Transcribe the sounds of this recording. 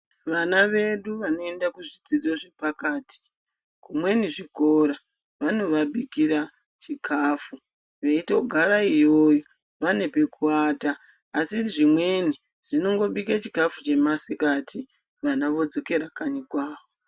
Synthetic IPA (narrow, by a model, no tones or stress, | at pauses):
ʋanaʋe̞ɗuʋano̞e̞ndakuʐid͡zid͡zoʐe̞pakaːtʰi̥ | kumwe̞niʐiko̞ɾa | ʋano̞ʋaɓikiɾa | t͡ʃikʰaːfu | ʋeitoɡʱaɾaijoːjo | ʋane̞pe̞kʰuaːtaː | siiʐimwe̞ni | ʐ̥ino̞ŋɡo̞ɓikat͡ʃikafut͡ʃe̞masikatʰi | ʋanaʋo̞d͡zo̞ke̞ɾakaɲikwaːʋo